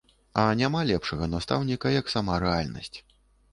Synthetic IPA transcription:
ɐnʲamalʲɛpʂɐɣɐnast̪a̰wnʲikɐjɐksamaɾɛalʲnɐ̰sʲt͡sʲ

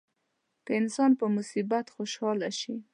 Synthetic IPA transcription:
d̪̥əɪnsɑnpəmʊsibat̪xoʃɑlaʃi

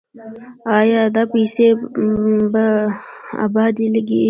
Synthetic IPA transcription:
ɑjɑd̪apese | ba | a̰ːbɑːd̪iləɡi

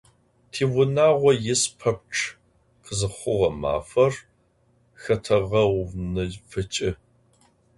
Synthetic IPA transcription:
tʰiːwʷʊnaːʁʷɔjɪspʰɐp̚ʈ͡ʂʰ | qʰəzɨχʷʊʁɐma̰ːfɐr | xɐtʰɐʁɐwnɨfɨt͡ʃʼɪ

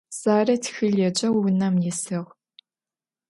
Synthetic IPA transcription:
z̥aːrɐtʰxɨɮɐd͡ʒʼɐwwʊnɐmjisɨʁ

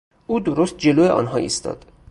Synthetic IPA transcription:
ʔuːd̪oɾost̪̚d͡ʒe̞loːjeʔɒ̰ːnɦɒːʔḭst̪ɒ̰ːd̪̥

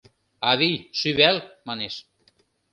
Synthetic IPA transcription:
ɑβijʃyβælmɑneʃ

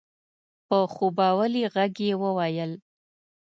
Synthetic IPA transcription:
pəxubɑwəliɣaɡjewəwajəl

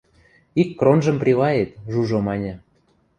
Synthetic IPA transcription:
ikːronʒə̆mprʲilɑjet̪ʒuʒomɑnʲɤ̆

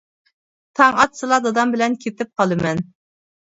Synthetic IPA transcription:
t̪ʰɑŋɑt̪sɨlˠɑd̪ɑd̪ɑmbɪlɛnkʲʰet̪ɪp̚qʰɑlˠɨmɛn

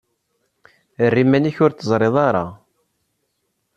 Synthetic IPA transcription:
ərːimæniçʊɾt͡s̪ːəzˤɾˤeðˤɑɾˤɑ

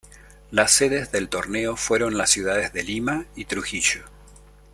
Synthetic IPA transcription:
lasːeðe̞zðe̞lt̪o̞ɾne̞o̞fwe̞ɾo̞nlasːjuðaðezðe̞limait̪ɾuxiʃo

